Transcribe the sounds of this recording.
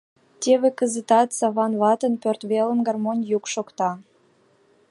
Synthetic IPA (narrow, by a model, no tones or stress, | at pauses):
t̪ʲeβekəzət̪ɑt̪sɑβɑnβɑt̪ə̆npørt̪βelə̆mɡɑrmonʲjukʃokt̪ɑ